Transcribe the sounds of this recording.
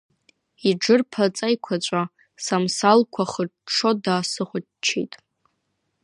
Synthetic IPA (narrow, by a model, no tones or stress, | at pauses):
iɖ͡ʐɨrpʰat͡sʼajkʷʰat͡ɕʷʼa | samsalkʷʰaχəʂʰo̞daːsɨχʷʊ | t͡ʃʰḛjtʼ